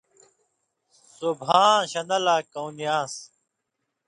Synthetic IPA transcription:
subʱãːɕɐnɐlaːkɐwnijaːs

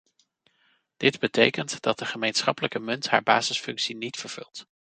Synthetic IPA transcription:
d̥ɪdbətejkəntd̥ɑt̚dəχəmejnsχɑpələkəmɵntɦa̰ːɹba̰ːzəsfɵŋksinitfəɹv̥ɵ̰lˠt

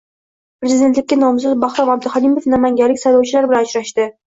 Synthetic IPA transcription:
pɾezid̪ent̪lɪkʲːanɒmzɨzbɑχɾɑmab̚d̪ɪχɒnimofnamaŋɡʲalːɪkʲsajlˠɒwt͡ʃʰɪlaɾbɪlanʊʃɾaʃt̪ɪ

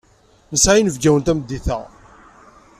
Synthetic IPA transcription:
nəsʕajnəvɡæwənt̪æməd̪ːiθə̰ʁ

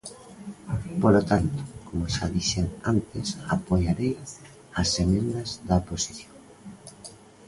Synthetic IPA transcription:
polot̪ant̪o̥komoʃaðiʃeŋant̪ɪsapojaɾej | asemẽnd̪ɐzðaposi̥θjoŋ

